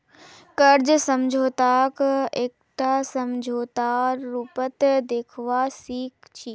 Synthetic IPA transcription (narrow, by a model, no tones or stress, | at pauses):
kɐɾd͡ʑsɐmd͡ʑʱoːt̪akeːk̚ | ʈ̪asɐmd͡ʑʱoːt̪aːɾːuːpət̪d̪eːkʰʋasiːkt͡ɕʰiː